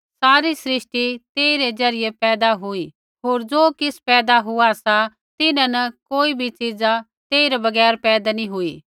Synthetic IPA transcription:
saːɾisɾɪʃʈit̪eːiɾed͡zɐɾɪjepɛːd̪aɦʊi | ɦoːɾd͡ʒoːkɪspɛːd̪aɦʊasa | t̪ɪnãnɐkoːibʱit͡ʃid͡za | t̪eːiɾabɐɡɛːɾpɛːd̪anĩɦʊiː

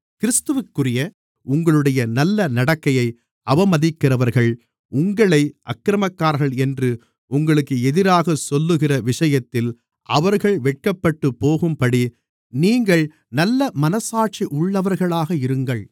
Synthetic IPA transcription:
kɪɾɪst̪ɯʋɯkːɯrɪjɐ | ʊŋɡɐɭɯɽɐjɐnɐlːɐnɐɽɐkːɐjɐɪ | ɐbɐmɐðɪkːɪrɐʋɐɾɣɐɭ | ʊŋɡɐɭɐɪʔɐ̰kːɾɐmɐkːaːɾɣɐɭɛndrɯ | ʊŋɡɐɭɯkːɯɛðɪɾaːɣɐsɔlːɯɣɪrɐʋɪʂɐjɐt̪ːɪl | ʔɐʋɐɾɣɐɭʋɛʈ̚kɐpːɐʈːɯpːoːɣɯmpɐɽi | niːŋɡɐɭ | nɐlːɐmɐnɐsaːɾʈ̚t͡ʃiʔʊɭːɐʋɐɾɣɐɭaːɣɐɪɾɯŋɡɐɭ

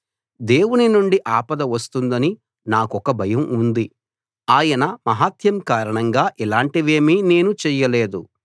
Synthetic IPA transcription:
d̪e̞ːwuninuɳɖiʔaːpɐd̪ɐʋɐst̪und̪ɐni | naːkɔkɐbʱɐjɐmund̪i | aːjɐnɐmɐɦaːt̪jɐmkaːɾɐɳɐŋɡaːʔilaːɳʈiʋe̞ːmine̞ːnut͡ʃɛːjɐle̞ːd̪u

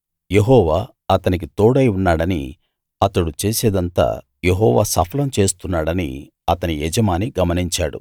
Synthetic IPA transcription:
je̞ɦɔːʋaː | ɐt̪ɐnik̬it̪oːɽɐjunːaːɽɐnḭ | ɐt̪ɐɽut͡ʃeːseːd̪ɐnt̪a̰ː | je̞ɦɔːʋa̰ːsɐpʰɐlɐmt͡ʃeːst̪unːaːɽɐnḭ | ɐt̪ɐniɛd͡ʒɐmaːniɡɐmɐniɲt͡ʃaːɽṵ

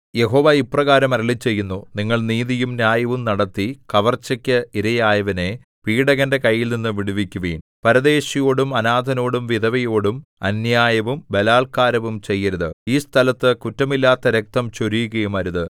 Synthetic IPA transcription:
je̞ɦo̞ːʋaiprɐɣaːɾɐmɐɾɐɭit͡ɕːe̞jːunːuniŋːɐɭniːðijumnjaːjɐʋumnɐɽɐt̪ːikɐʋɐrt͡ɕːɐkʲːɨiɾɐjaːjɐʋɐne̞ | piːɽɐɣɐnde̞kɐjːilninːɨʋiɽuʋikʲːuʋḭːnpɐɾɐðe̞ːɕɐjoːɽumɐnaːd̪ʱɐno̞ːɽumʋid̪ʱɐʋɐjo̞ːɽumɐnjaːjɐʋumbelaːɭkaːɾɐʋumt͡ɕe̞jːɐɾuðɨiːst̪ʰɐlɐt̪ːɨkutːɐmilːaːt̪ːɐɾek̚t̪ɐmt͡ɕoɾijuɣɐjumɐɾuðɨ

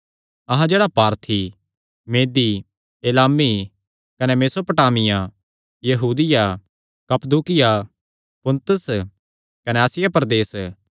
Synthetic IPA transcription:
ɐɦãd͡ʒeːɽapaːɾt̪ʰi | meːd̪i | eːlaːmi | kɐnɛmeːsopɐʈaːmɪjã | jɐɦuːd̪ɪja | kɐpd̪uːkɪja | pʊ̃nt̪ʊs | kɐnɛaːsɪjapɐɾd̪eːs

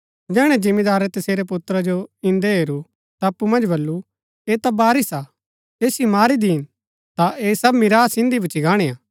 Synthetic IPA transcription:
d͡ʒɛːɽ̃ɛ̃d͡ʒɪ̃mːid̪aːɾɛt̪ɐseːɾep̬ʊt̪ɾad͡ʒoɪ̃nd̪eɦeːɾu | t̪aɐpːumɐ̃nd͡ʒbɐlːu | eːt̪abaːɾisa | eːsjimaːɾid̪iɪn | t̪aʔeːsɐbmɪɾaːsɪ̃nd̪ibut͡ʃiɡaːɽ̃eːaː

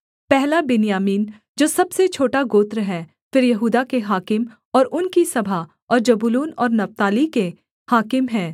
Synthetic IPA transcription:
pɛɦlabɪnjaːmiːn | d͡ʒoːsɐbset͡ʃʰoːʈaɡoːt̪ɾəɦɛ | fɪɾjɐɦuːd̪akeɦaːkɪm | ɔːɾʊnkisɐbʱa | ɔːɾd͡ʒɐbʊluːnɔːɾnɐft̪aːlike | haːkɪmɦɛː

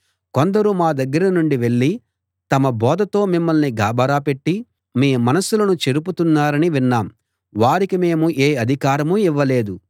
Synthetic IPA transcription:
ko̞nd̪ɐɾumaːd̪ɐɡːɐɾɐnuɳɖiʋe̞ɭːi | t̪ɐmɐbɔːd̪ɐt̪o̞ːmimːɐlniɡaːbɐɾaːpe̞ʈːi | meːmɐnɐsːulɐnut͡ʃe̞ɾup̬ut̪unːaːɾɐniʋinːaːm | ʋaːɾikime̞ːmuʔeːɐd̪ʱikaːɾɐmuiʋːɐle̞ːd̪u

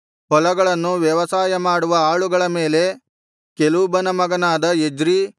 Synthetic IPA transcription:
ɦɔlɐɡɐɭɐnːuʋjɐʋɐsaːjɐmaːɽuʋɐaːɭuɡɐɭɐme̞ːle̞ | kelubɐnɐmɐɡɐnaːd̪ɐed͡ʒɾi

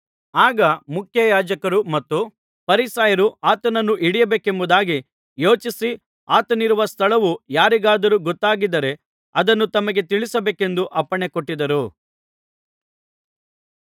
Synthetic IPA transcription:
aːɡɐmukʰjɐjaːd͡ʒɐkɐɾumɐt̪ːu | pɐɾisaːjɐɾuaːt̪ɐnɐnːuʔiɽijɐbeːkembud̪aːɡi | jo̞ːt͡ʃisi | aːt̪ɐniɾuʋɐst̪ʰɐɭɐʋujaːɾiɡaːd̪ɐɾuːɡɔt̪ːaːɡid̪ɐɾe̞ | ɐd̪ɐnːut̪ɐmɐɡe̞t̪iɭisɐbeːke̞nd̪uʔɐpːɐɳekoʈːid̪ɐɾu

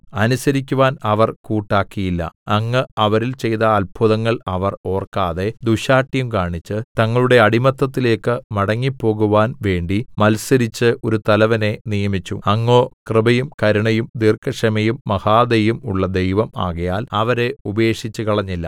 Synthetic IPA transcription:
ɐnusɐɾik̬ʲːuʋaːnɐʋɐrkuːʈːaːkːijilːɐ̰ɐŋːɨɐʋɐɾilt͡ɕe̞jt̪ɐːlbʱuðɐŋːɐɭɐʋɐro̞ːrkːaːðe̞d̪uɕaːʈːjumkaːɳit͡ɕːɨt̪ɐŋːɐɭuɽe̞ɐɽimɐt̪ːɐt̪ːile̞ːkːɨmɐɽɐŋːipːo̞ːɣuʋaːnʋe̞ːɳɖimɐlsɐɾit͡ɕːɨo̞ɾut̪ɐlɐʋɐne̞nijɐmit͡ɕːṵɐŋːo̞ːkrɨbɐjumkɐɾuɳɐjumd̪irkʰɐʂɐmɐjumːɐhaːd̪ejumuɭːɐd̪e̞jʋɐma̰ːɣɐjaːlɐʋɐɾe̞ubeːʂit͡ɕːɨkɐɭɐɲːilːɐ̰

